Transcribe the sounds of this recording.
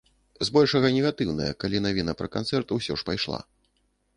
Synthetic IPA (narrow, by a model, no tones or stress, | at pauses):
zbɔlʲʂɐɣɐnʲɛɣat̪ɨwnɐ̰jɐ̰kalʲinavʲinɐpɾɐkant̪sɛrt̪uwsʲɔ̰ʂpajʂlˠa̰